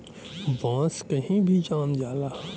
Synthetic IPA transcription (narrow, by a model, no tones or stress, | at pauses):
bãːskɐɦĩbʱid͡ʒãːnd͡ʒaːlaː